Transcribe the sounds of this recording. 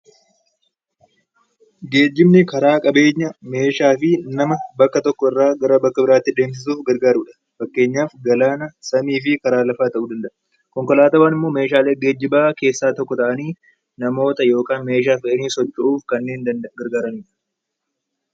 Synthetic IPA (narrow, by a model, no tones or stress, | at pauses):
ɡe̞ːd͡ʒːɪbnɪkɐɾaːkʼɐbe̞ːɲːɐme̞ːʃaːfɪnɐmɐbɐkːɐt̪ɔkːɔɪrːaːɡɐɾɐbɐkːɐbɪɾaːt̪ːɪᶑ̪e̞ːms̬ɪs̬uːfɡɐɾɡaːɾuːᶑɐ̥ | fɐkːe̞ːɲːaːfɡɐlaːnɐsɐmiːf̬ɪkɐɾaːlɐfaːt̪ɐʔuːd̪ɐnd̪ɐʔɐ̥ | kɔŋkɔlaːt̪ɐwaːnɪmːo̞ːme̞ːʃaːle̞ːɡe̞ːd͡ʒːɪbaːke̞ːsːaːt̪ɔkːɔt̪ɐʔɐniː | nɐmo̞ːt̪ɐjo̞ːkaːnme̞ːʃ̬aːfɐʔɐniːsɔt͡ʃːɐʔuːfkɐnːe̞ːnɡɐɾɡaːɾɐniːᶑɐ̥